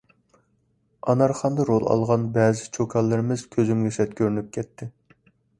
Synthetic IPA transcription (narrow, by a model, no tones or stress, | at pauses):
ɑnɑɾχɑnd̪ɑɾolˠɑ̰lˠʁɑnbɛːzɪt͡ʃʰokʰɑlˠːɨɾɪmɪz̥kʲʰøzymɡʲɛsɛt̪̚kʲʰøɾynyp̚kʲʰɛt̪ʰːɪ